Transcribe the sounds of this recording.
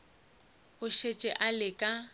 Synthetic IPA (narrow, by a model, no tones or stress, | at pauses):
ʊʃet͡ʃʼɛʔalɪkʼa